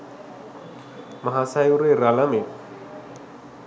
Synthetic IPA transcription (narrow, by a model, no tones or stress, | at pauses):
maɦasajuɾeɾalamek